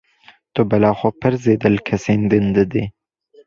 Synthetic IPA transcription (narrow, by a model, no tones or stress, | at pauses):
d̪̥obalɑːxopəɾzed̪əlkʰasend̪ɪnd̪əd̪e